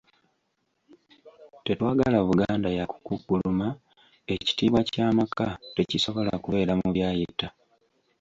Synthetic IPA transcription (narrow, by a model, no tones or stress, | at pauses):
te̞twaːɡalaβuɡaːndajaku̥kukːuluma | e̞ci̥tiːβwacaːmakate̞ciso̞βo̞la̰kuβe̞ːɾamuβjaːjitːa